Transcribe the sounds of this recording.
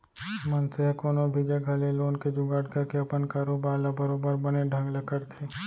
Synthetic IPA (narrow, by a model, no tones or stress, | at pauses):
mɐnseɦkoːnobʱid͡ʒeɡʱɐleloːnked͡ʒʊɡaːɽkɐɾkeɐpənkaːɾobaːɾlabɐɾoːbəɾbɐneɖʱɐ̃ŋɡlɐkəɾt̪ʰe